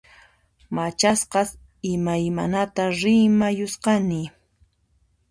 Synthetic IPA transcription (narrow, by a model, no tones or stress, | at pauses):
mat͡ʃasqɑs | ɪmajmanat̪aɾɪmajʊsqɑnɪ